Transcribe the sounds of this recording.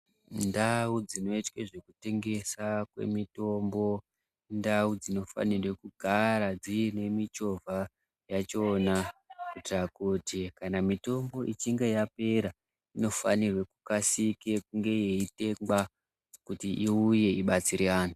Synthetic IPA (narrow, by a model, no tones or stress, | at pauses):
ndaud͡zino̞itkwe̞ʐe̞kute̞ŋɡe̞sakwe̞̰mito̞mbo̞ | ndaud͡zino̞fa̰nirwe̞kuɡʱaɾad͡ziːne̞mit͡ʃo̞vʱa | jat͡ʃo̞ːnakutirakutikanamito̞mbo̞ʔit͡ʃiŋɡe̞jape̞ɾa | ino̞fa̰nirwe̞kukasike̞kuŋɡe̞je̞ite̞ŋɡa | kutiʔiuje̞iɓat͡siɾeaːnu